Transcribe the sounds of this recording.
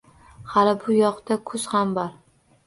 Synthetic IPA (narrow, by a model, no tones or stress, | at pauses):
halɪbʊjɒqt̪akʰʊz̥hambɒɾ